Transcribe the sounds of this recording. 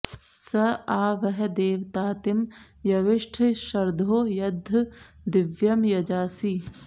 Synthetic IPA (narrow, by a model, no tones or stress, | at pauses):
sɐaːʋɐɦɛd̪eːʋt̪aːt̪ɪm | jɐʋɪʃʈʰʃɐɾd̪ʱoːjɐd̪ʱː | d̪ɪʋjɐmjɐd͡ʒaːsiː